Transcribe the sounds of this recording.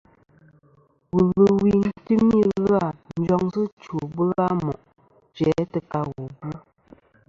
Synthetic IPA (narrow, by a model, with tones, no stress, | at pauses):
wə˨ɣə˨wi˨n̩˦tɨ˦mi˦ɣa˦˨n̩˦d͡ʒɔ˦ŋzə˦t͡ʃo˨bə˦a˦mɔ˨ʔ | t͡ʃɛ˨˦tə˨ka˦ɣo˨bu˦